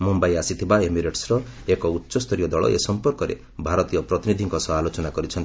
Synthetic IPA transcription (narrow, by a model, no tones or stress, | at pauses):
mumbajasit̪ʰibaemiɾeʈsɾɔekɔutːʃɔst̪ʰɔɾijɔd̪ɔɭɔ̰ʔḛsɔmpɔɾkɔɾḛ | bʱaɾɔt̪ijɔpɾɔt̪inid̪ʱiŋkɔsɔaːlot͡ʃɔnakɔɾit͡ʃʰɔnt̪i